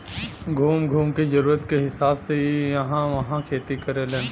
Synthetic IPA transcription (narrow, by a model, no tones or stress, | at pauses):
ɡʱuːmɡʱuːmkizɐɾuːɾət̪keɦɪsaːbseijɐɦãʋɐɦãkʰeːt̪ikɐɾelẽːn